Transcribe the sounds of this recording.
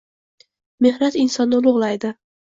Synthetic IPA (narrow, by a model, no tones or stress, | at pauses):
me̞hnat̪ɪnsɒnːɪlˠʊʁlˠajd̪ɪ